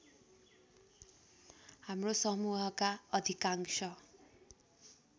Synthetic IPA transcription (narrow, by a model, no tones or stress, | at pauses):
hamrosʌmuɦʌkaʌd̪ʱikaŋsʌ